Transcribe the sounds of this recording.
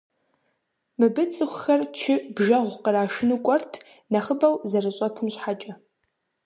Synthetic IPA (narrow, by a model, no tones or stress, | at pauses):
mɨbɨt͡sʼɨxʷxɐrt͡ʃʰɪbʒɐʁʷqəraːʃɪnɨkʷʼɔrtʰ | nɐχəbɐwzɐrɨɕʼɐtʰɨmɕħat͡ʃʼɐ